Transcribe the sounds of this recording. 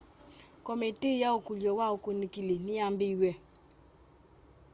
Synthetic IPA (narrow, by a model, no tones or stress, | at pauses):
kɔmitejaokuljɔwaokonikileniambiiwɛ